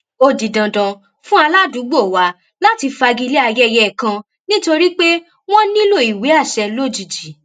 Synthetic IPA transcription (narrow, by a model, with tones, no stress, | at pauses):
o˧di˨dã˨dã˨ | fũ˦a˧la˦du˨˦ɡ͡bo˦˨wa˨˦ | la˦ti˧fa˧ɡi˦˧le˦a˧jɛ˦˧jɛ˦˨kã˧ | nĩ˦to˧ɾi˦k͡pe˦ | w̃ɔ̃˦nĩ˦lo˦˨i˨we˨˦a˦˨ʃɛ˧lo˦˨d͡ʒi˨d͡ʒi˨˦